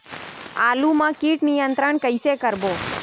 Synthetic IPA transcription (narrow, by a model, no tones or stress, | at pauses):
alumãkiʈnijənt̪ɾəɳkəjsekəɾbo